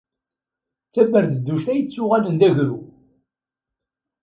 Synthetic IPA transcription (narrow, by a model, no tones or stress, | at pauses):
t͡sːæbəɾθəd̪ːuʃt̪æjət͡sːʊʁælənd̪æʝɾu